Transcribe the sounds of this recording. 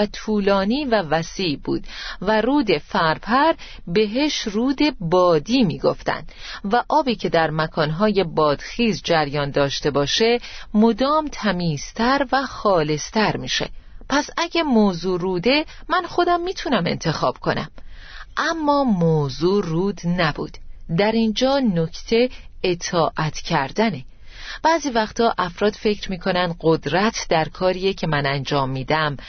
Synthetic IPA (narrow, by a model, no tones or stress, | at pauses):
æt̪ʰuːlɒːniːvævæsiːbṵːd̪̥væruːd̪e̞fæɾpʰæɾ | be̞ɦeʃruːd̪e̞bɒːd̪iːmiːɡo̞̰ft̪æ̰nd̪̥ | væʔɒːbiːcʰe̞d̪æɾmækʰɒːnɦɒːje̞bɒːd̪̥xiːzd͡ʒæɾjɒːnd̪ɒːʃt̪e̞bɒːʃe̞mo̞d̪ɒːmt̪ʰæmiːz̥t̪ʰæɾvæxɒːle̞st̪ʰæɾmiːʃḛpʰæsæɟæmoːzuːɾuːd̪e̞mænxo̞d̪æmːiːt̪ʰunæme̞̰nt̪ʰe̞xɒːb̥̚kʰo̞næ̰mʔæmːɒːmoːzuːruːd̪næbṵːd̪̥d̪æɾind͡ʒɒːnoct̪ʰe̞et̪ʰɒːʔæt̪ʰcʰæɾd̪æne | b̥æːziːvæxt̪ʰɒːʔæfɾɒːd̪̥fe̞cʰɾmiːkʰo̞nænd̪ɢo̞d̪ɾæt̪ʰd̪æɾkʰɒːɾiːjecʰe̞mænænd͡ʒɒːmːiːd̪æm